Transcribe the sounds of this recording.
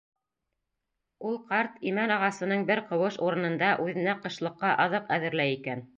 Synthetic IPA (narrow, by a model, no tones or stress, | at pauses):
ulˠqɑɾt̪imænɑʁɑsɤ̆nɤɴbɘɾqɤ̆wɤʃuɾɤ̆nɤ̆nd̪ɑʔʉðɘ̆næqɤ̆ʃlˠɤ̆qːɑʔɑðɤqæðɘ̆ɾlæjikæn